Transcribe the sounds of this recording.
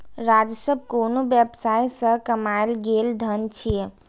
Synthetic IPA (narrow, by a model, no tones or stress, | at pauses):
ɾad͡ʒəsəb̚ʱkonobjɛbsaisə̃kəmaelɡeld̪ʱənt͡ʃʰi